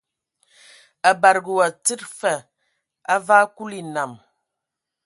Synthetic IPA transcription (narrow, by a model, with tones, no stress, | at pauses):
a˨ba˨ɾɡə˨wa˨t͡sɨ˦t̚fɛ˨ | a˦vaː˦ku˦li˨na˨m